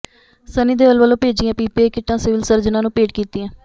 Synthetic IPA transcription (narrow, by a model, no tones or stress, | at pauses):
səniːd̪eːʋəlʋəːlõːpeːd͡ʒijãːpiːpeːkɪʈːãːsɪʋɪlsəɾd͡ʒnãːnũːpeːʈkiːt̪iːɛ̃ː